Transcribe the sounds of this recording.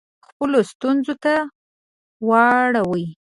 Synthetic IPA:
xpəlost̪unzot̪a | wɑɽawəj

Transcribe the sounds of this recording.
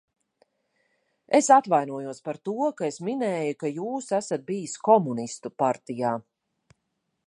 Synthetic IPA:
esat̪vajnuɔjuɔspaɾt̪uɔkaesminɛːjukajuːsæsat̪̚bijiskɔmunist̪upaɾt̪ijaː

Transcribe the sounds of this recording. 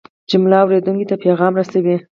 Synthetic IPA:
d͡ʒʊmlɑawɾed̪uŋkit̪apeɣɑmɾasawi

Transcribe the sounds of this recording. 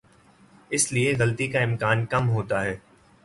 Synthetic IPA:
ɪslieɣɐlt̪ikaɪmkaːnkɐmɦoːt̪aɦɛː

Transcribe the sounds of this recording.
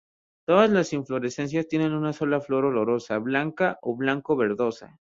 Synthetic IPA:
t̪o̞ðazlasiɱflo̞ɾe̞se̞ns̬jast̪je̞ne̞nunaso̞laflo̞ɾo̞lo̞ɾo̞saβlaŋkaʔoβlaŋko̞βe̞ɾðo̞sa̰

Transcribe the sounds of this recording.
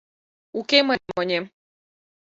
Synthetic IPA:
ukeməmonʲem

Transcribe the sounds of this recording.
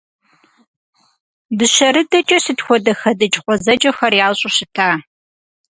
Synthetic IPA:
bɨʃɐɾɨdɐt͡ʃʼɐɕɨtxʷɔdɐxɐdɐt͡ʃʼqʷʼɔzɐd͡ʒɐxɐrjaːɕʼʊɕɪtʰaː

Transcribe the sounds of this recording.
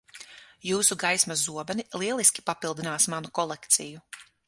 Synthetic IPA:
juːsuɡajsmazuɔbɛnilˠiɛlˠiskʲi̥papilˠd̪inaːsmanukɔlˠɛkt̪siju

